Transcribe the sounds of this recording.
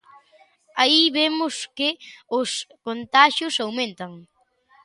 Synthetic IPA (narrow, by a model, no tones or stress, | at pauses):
aiβemʊskɪʊskont̪aʃjʊsawmẽnt̪aŋ